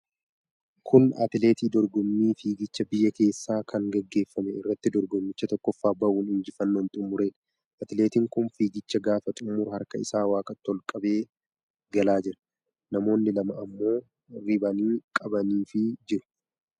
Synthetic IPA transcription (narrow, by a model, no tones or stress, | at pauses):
kʰʊnɐ̰t̪ɪle̞ːt̪iːd̪ɔɾɡɔmːiːfiːɡɪt͡ʃːɐbɪjːɐke̞ːsːaːkʰɐŋɡɐɡːe̞ːfːɐmɛɪrːɐt̪ːɪd̪ɔɾɡɔmːɪt͡ʃːɐt̪ɔkːɔfːaːbɐʔuːnɪnd͡ʒɪfɐnːoːnt̪ʼʊmːʊɾe̞ːn | ʔɐt̪ɪle̞ːt̪ɪŋkʊnfiːɡɪt͡ʃːɐɡaːfɐt̪ʼʊmːʊɾhɐɾkɐɪ̰saːwaːkʼɐt̪ːɔlkʼɐbe̞ː | ɡɐlaːd͡ʒɪɾɐ̥ | nɐmo̞ːnːɪlɐmɐʔɐmːo̞ː | ɾɪbɐniːkʼɐbɐniːfɪd͡ʒɪɾʊ̥